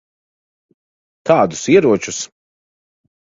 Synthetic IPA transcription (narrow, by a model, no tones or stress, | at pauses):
kaːd̪usiɛɾuɔt͡ʃus